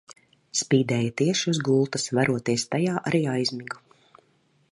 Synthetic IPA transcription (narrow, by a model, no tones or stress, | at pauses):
spiːd̪ɛːjat̪iɛʃiuzɡuːlˠt̪ɐsvaɾuɔt̪iɛst̪ajaːʔaɾiːajzmiɡu